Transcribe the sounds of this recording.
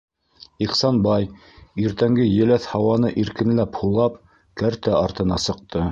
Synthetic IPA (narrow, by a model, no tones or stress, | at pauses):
iqsɑnbɑj | iɾt̪æŋɡɘjɘ̆læθhɑwɑnɤʔiɾkɘ̆nlæphulˠɑp | kæɾt̪æɑɾt̪ɤ̆nɑsɤ̆q̚t̪ɤ